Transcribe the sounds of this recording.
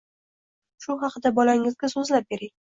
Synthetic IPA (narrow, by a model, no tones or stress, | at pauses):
ʃʊɦɑqʰɨd̪abɒlaŋɪzɡʲasɵzlap̚be̞ɾɪŋ